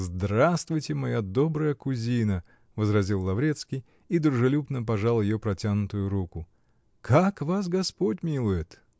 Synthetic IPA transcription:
zd̪ɾast̪vʊjtʲɪmɐjad̪obɾəjəkʊzʲinə | vəzɾɐzʲilˠːɐvɾʲet̪skʲɪj | id̪ɾʊʐɨlʲupnəp̬ɐʐalˠjɪjopɾɐtʲanʊt̪ʊjʊɾukʊ | kʰakvas̬ɡɐspotʲmʲilˠʊjɪt̪

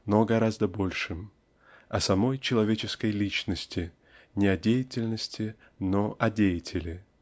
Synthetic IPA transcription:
noɡɐɾazd̪əbo̞lʲʂɨm | ɐsɐmo̞jt͡ɕɪlˠɐvʲet͡ɕɪskəjlʲit͡ɕnəsʲtʲɪ | nʲɪɐdʲejɪtʲɪlʲnəsʲtʲɪ | noʔɐdʲejɪtʲʰɪlʲɪ

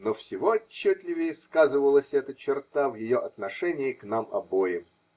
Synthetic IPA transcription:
nofsʲɪvoɐt͡ɕːɵt̪ʲlʲɪvʲɪjəskazɨvəlˠəsʲɛt̪ət͡ɕɪrt̪avjɪjoʔɐt̪nɐʂɛnʲɪɪknamɐbo̞jɪm

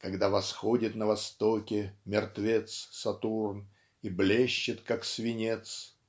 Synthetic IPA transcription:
kɐɡd̪avɐsxodʲɪt̪nəvɐst̪okʲɪmʲɪrt̪vʲet̪ssɐt̪urn | iblʲeɕːɪt̪kaksvʲɪnʲet̪s

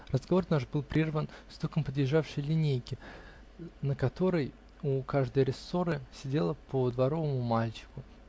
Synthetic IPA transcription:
rəzɡɐvo̞rnaʐbɨlˠpɾʲervənst̪okəmpəd̪jɪʐːafʂəjlʲɪnʲejkʲɪ | nəkɐt̪o̞ɾəj | ukaʐd̪əjɾʲɪsːo̞ɾɨsʲɪdʲe̞lˠəpəd̪vɐɾo̞vəmʊmalʲt͡ɕɪ̥kʊ

